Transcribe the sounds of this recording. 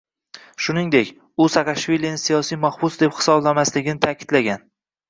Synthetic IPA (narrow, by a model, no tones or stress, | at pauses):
ʃʊnɪŋd̪e̞kʲ | ʊsakʰɑʃvilijanɪsijɒsijmahbʊsd̪e̞phɪ̥sɒblamaslɪɡʲɪnɪt̪ʰakʲʰɪd̪laɡʲan